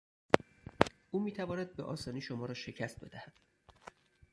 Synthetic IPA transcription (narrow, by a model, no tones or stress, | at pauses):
uːmiːt̪ʰævɒːnæd̪̚beʔɒ̰ːsɒːniːʃomɒːɾɒːʃe̞cʰæst̪̚be̞̰d̪æhæd̪̥